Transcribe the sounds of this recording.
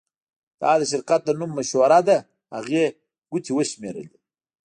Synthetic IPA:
d̪̥ɑd̪əʃ̬ɪɾqat̪̚d̪ənumːaʃwaɾad̪a | haɣe | ɡ̥ut̪ʰiwəʃmeɾə̰li

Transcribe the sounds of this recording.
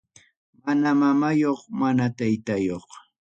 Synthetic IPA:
manamamajoχmanat̪ajt̪ajoχ

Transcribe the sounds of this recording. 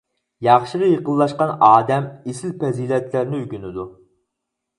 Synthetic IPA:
jɑχʃəʁɑjeqəlˠːɑʃqɑnɑːd̪ɛmesɪlpɛziːlɛt̪læɾnɪyɡʲynɪd̪u

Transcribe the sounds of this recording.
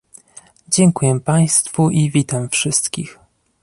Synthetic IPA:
d͡ʑɛŋkujɛpaj̃st̪fuʔivʲit̪amfʂɘst̪kʲix

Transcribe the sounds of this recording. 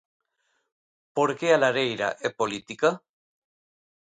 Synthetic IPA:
poɾkealaɾejɾa̰ʔepolit̪ika

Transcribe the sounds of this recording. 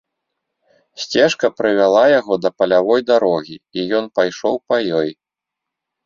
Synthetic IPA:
sʲt͡sʲɛʂkɐpɾɨvʲalˠajaɣɔd̪ɐpɐlʲavɔjd̪aɾɔɣʲiijɔnpajʂɔ̰wpɐjɔj

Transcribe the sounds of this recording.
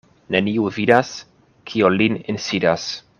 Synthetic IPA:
neniuvidas | kʰiolininsidas

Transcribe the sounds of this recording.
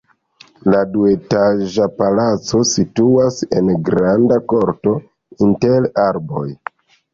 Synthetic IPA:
ladue̞taʒapalat͡so̞situase̞̰nɡɾandako̞ɾto̞ | intelaɾbo̞j

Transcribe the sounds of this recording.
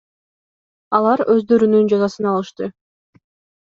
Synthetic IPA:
ɑlˠɑɾøzd̪ø̞ɾynynd͡ʒɑzɑsɯnɑlˠɯʃt̪ɯ

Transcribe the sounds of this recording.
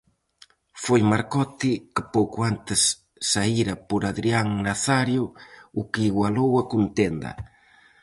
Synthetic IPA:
fojmaɾkɔt̪ikɪpowkʊant̪ɪsː | aiɾɐpoɾaðɾiaŋnaθaɾjʊːkɪiɣwalowɐkunt̪end̪ɐ̰

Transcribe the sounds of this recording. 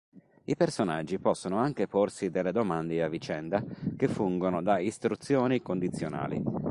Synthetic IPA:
ipersonad͡ʒːipɔsːonoaŋk̟eporsid̪elːed̪omand̪eavːit͡ʃɛnd̪akefːuŋɡonod̪aist̪ɾut̪sːjoːnikond̪it̪sːjona̰ːlḭ

